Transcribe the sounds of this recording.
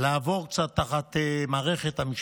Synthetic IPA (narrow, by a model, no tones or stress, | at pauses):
laːvo̞ʁkt͡satːaχat̪emaːʁeχet̪hamiʃ